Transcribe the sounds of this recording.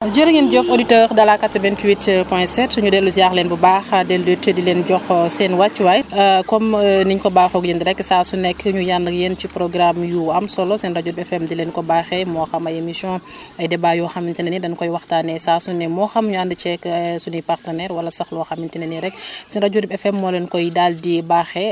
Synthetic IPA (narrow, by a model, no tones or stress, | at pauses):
d͡ʒəɾɐŋinɟɔfoditəɾdɐlakatːɔvɛntwitpɔjɛsɛtsuɲudɛlːusjaxlɛnbubaxadɛldətədilɛnɟɔxsɛnwat͡ʃːwɐjkɔmniɲkɔbaːxɔɡjəndiɾɛkːsaːsunɛkːɲujandɐkjent͡ʃipɾɔɡɾamjuɐmsɔlɔsɛnrɐɟuɾibɛfɛmdilɛːnkɔbaxɛmɔxɐmɐjemisɔ̃ | ɐjdɛbaːjɔxɐmintinənidɐnkɔjwɐxtanɛsaːsunɛmɔːxɐmɲuandət͡ʃɛksunipaɾtɐnɛɾwɐlɐsɐxlɔxɐmintinɐniɾɛksɛnɾɐɟuɾibɛfɛmːɔːlɛnkɔjdaldibaxɛ